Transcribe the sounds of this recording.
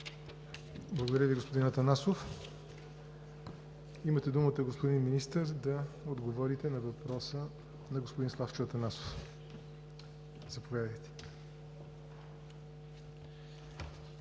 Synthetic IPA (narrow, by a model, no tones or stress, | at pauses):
blˠəɡod̪ɐɾʲəviɡospod̪inɐt̪ɐnasof | imət̪ɛd̪umət̪əɡospod̪inminist̪əɾd̪ɐod̪ɡovɔɾit̪ɛnɐvɐpɾɔsə | nɐɡospod̪inslˠaft͡ʃɐt̪ɐnaso̥f | z̥ɐpovjad̪əjt̪ɛ̥